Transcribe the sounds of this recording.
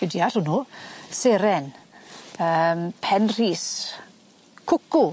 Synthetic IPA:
ɛdiaɬʊnuːseɾɛn | əmpʰɛnr̥iːs | kʰʊku

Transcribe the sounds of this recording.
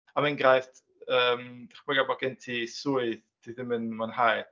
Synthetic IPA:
amɛnɡrajft | əːmaχmɛɡabɔɡɪntʰisuɨðd̥ʰiðɪmənmanhaj

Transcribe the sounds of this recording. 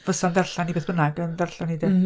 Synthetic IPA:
vəsɔndɛrɬanibeːθbənaɡəndɛrɬanidɪ

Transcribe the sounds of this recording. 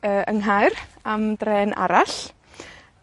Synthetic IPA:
əːəŋɦajɾamdrɛːnʔa̰ɾaɬ

